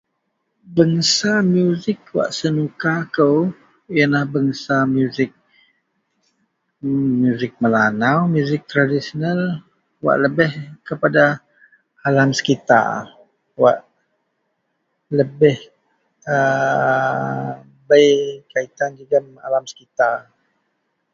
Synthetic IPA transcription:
bəŋəsamjuzɪk̚wa̰ʔsənukakəw | jənlahbəŋəsamjuzɪk̚ | mjuzɪk̚məlanawmjuzɪk̚t̪ɾadisional | wa̰ʔləbɪhkəpada | alamsə̥kit̪a̰r | wa̰ʔ | ləbɪh | ə | bəjkait̪and͡ʒiɡəma̰lamsə̥kit̪ar

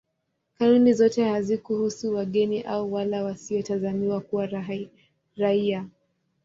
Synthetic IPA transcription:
kanunizɔtɛhazikuhusuwaɠɛniʔauwalawasiɔtazamiwakuwa | ɾaia

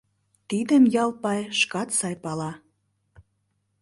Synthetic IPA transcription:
t̪id̪əmjɑlˠpɑjʃkɑt̪sɑjpɑlɑ

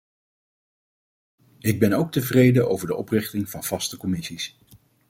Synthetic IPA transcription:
ɪɡ̚bɛnowk̚təvrejdəno̰wvəɹdəʔɔprɪχtɪŋvɑnv̥ɑstəkɔmɪsis

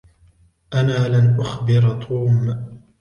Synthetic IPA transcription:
ʔanaːlanʔʊxbɪɾt̪ˤʰuːm

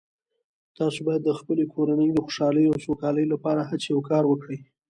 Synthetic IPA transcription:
t̪ɑsobɑjad̪ːəxpəlekʰoɾanəjd̪əxo̥ʃɑləjawsokɑləjlapɑɾaɦat͡sjawkɑɾwəkɽəj

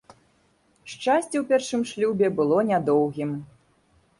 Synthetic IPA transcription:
ʂt͡ʂasʲt͡sʲɛwpʲɛrʂɨmʂlʲubʲɛbɨlˠɔnʲad̪ɔwɣʲim

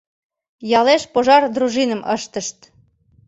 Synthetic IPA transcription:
jɑleʃpoʒɑrd̪ɾuʒinəmə̰ʃt̪əʃt̪

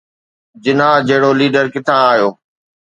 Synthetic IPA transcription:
d͡ʑɪnaːd͡ʑɐɦɪɽoliːɖəɾkɪt̪ʰaːijoː

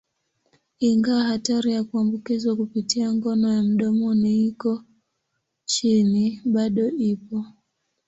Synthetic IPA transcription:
iŋɡawahataɾijakuambukizwakupitiaŋɡɔnɔjam̩ɗɔmɔniikɔ | t͡ʃiniɓaɗɔipɔ

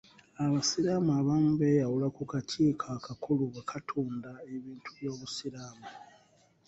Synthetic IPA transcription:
aβasiɾaːmaːβamube̞jawulakukacʰiːkʰakakuluβakʰatʰuːndaeβiːntʰuβjo̞ːβusiɾaːma

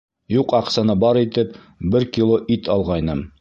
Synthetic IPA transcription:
juqɒqsɑnɤbɒɾit̪ɘp | bɘɾkʲilˠoʔit̪ɒlˠʁɑjnɤm

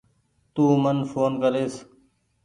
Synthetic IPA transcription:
t̪uːmənfoːnkəɾeːs

